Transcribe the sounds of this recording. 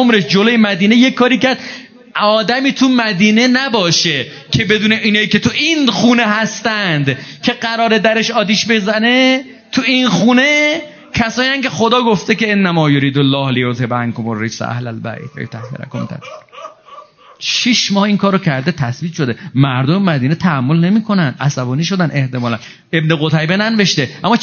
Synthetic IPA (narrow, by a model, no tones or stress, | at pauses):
omɾeʃd͡ʒolojemæd̪iːnejeːɒːɾiːcæɾd̪̚ | ɒːd̪æmiːt̪ʰumæd̪iːne̞næbɒːʃe | cʰe̞be̞d̪uːneʔiːnɒːjice̞t̪ʰuʔinxuːneɦæst̪ænd̪cʰe̞ɢæɾɒːɾed̪æɾeʃɒːt̪iːʃbe̞zæne̞ | t̪ʰuinxuːne̞ | kʰæsɒːnijæncʰe̞xo̞d̪ɒːɡoft̪eceenːæmɒːjoɾiːd̪olːɒːhlejot̪ʰebæŋkʰomorːed͡ʒsʔæ̰hlælbæ̰ːjt̪ʰvæ̰jot̪ʰæhːeɾæ̰komt̪ʰæ̰t̪ | ʃiʃmɒːhiŋkʰɒːɾːocʰæɾd̪et̪ʰæsbiːt̪ʃod̪emæɾd̪omemæd̪iːnet̪ʰææmːo̞lne̞miːkʰo̞nænd̪̥ʔæ̰sæbɒːniːʃo̞d̪æne̞ht̪e̞mɒːlæn | e̞bneɣot̪ʰæjbenænve̞ʃt̪eʔæmːɒː